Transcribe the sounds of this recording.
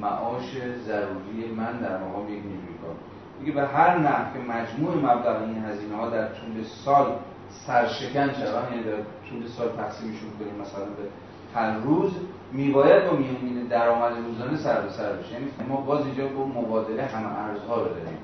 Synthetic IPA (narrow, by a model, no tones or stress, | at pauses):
mæ̰ʔɒːʃe̞zæɾuːɾijemænd̪æɾmæɣɒːmejecniɾujeɡʰɒ̰ːbu | mikebeɦæɾnæhfkʲʰe̞mæd͡ʒmuːʔe̞mæblæɣeinɦæziːnehɒːd̪æɾt̪ʰuːle̞sɒːl | sæɾʃe̞kʰænʃææːnjænid̪æɾt̪ʰuːle̞sɒːlt̪ʰæxsiːmeʃunkʰoniːmːæsælænbe | hæɾːuːz | miːbɒːjæd̪̚bɒːmijomiːned̪æɾɒːmæd̪eɾuːzɒːnesæɾb̪osæɾbeʃejæːniːfæmɒːbɒːzind͡ʒɒːɡomobɒːd̪e̞leɦæmeʔæɾzhɒːɾod̪ɒːɾḭːm